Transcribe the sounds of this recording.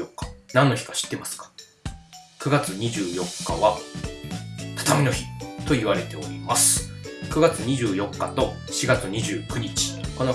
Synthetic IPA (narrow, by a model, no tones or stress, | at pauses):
okːḁnãnːo̞çi̥kḁɕi̥t̪ːe̞masɨ̥kḁ | kɯ̟ɡat͡sɨɲ̟iʑɨːjo̞kʰːaβa | t̪ḁt̪amʲino̞çit̪o̞iβaɾe̞t̪e̞o̞ɾʲimasɨ̥kɯ̟ɡat͡sɨɲ̟iʑɨːjo̞kːat̪o̞ | ɕiɡat͡sɨɲ̟iʑɨːkɯ̟ɲ̟it͡ɕi̥ko̞no